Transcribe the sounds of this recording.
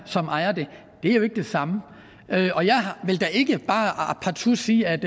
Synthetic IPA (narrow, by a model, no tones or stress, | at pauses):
sɒ̽mʔɑ̈ɪɐd̥e̝ | d̥e̝æɐjoe̝ɡ̥əd̥e̝sɑ̈mə | øʔɒ̽jɑ̈ɪɦɑʋe̝ld̥æʔe̝ɡ̥əb̥ɑ̈ːɑpʰɑ̈t͡sʰuɐsiːæd̥